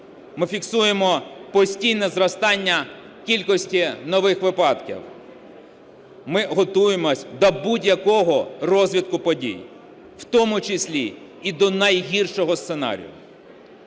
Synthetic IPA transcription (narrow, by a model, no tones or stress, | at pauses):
mɪfʲiksujemɔpɔsʲtʲijnɛzrɔst̪ɑnʲːɐ | kʲilʲkɔsʲtʲinɔʋɪxʋɪpɑd̪kʲḭw | mɪɦɔt̪ujemɔsʲd̪ɐbudʲjɐkɔɦɔrɔzʲʋʲit̪kʊpɔdʲḭj | wt̪ɔmʊt͡ʃɪsʲlʲiː | d̪ɔnɐjɦʲirʃɔɦɔst̪senɑ̰ɾʲḭjʊ̰